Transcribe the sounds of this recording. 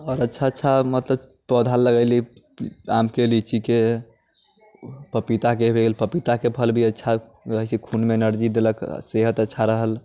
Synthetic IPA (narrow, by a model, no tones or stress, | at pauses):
ɔːɾətːʃʰaətːʃʰamət̪ləb | pɔd̪ʱalːəɡəɪli | amkelit͡ʃike | pəpit̪akebʱelpəpit̪akepʰəlbʱiətːʃʰa | ɾəɦəsikʰunmenəɾd͡ʒid̪eləkseɦət̪ətːʃʰaɾəɦəl